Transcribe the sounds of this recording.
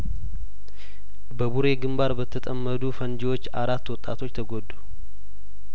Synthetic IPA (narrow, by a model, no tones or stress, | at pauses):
bəbuɾe̞ɡɨmbaɾbət̪ʰət̪ʼəmːəd̪ufənd͡ʒiwo̞t͡ʃːaɾat̪ːwɔt̪ʼːa̰t̪ʰo̞t͡ʃːt̪ʰəɡod̪ːu